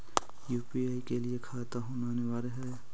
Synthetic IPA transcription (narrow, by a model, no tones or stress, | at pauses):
juːpiaːikeliekʰaːt̪aɦõːnaːneʋaːɾeɦɛː